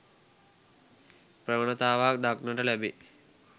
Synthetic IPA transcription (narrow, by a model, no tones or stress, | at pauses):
prəʋənət̪aːʋak̚d̪aknəʈəlæbe